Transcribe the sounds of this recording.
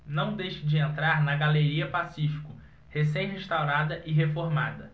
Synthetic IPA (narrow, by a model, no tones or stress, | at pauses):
nɐ̃w̃d̪ejʃɐd͡ʒɪẽnt̪ɾaɾnɐɡaleɾiɐpasifi̥kʊ | hesẽj̃ɦeʃt̪awɾad̪ɐʔɪɦefoɾmad̪ɐ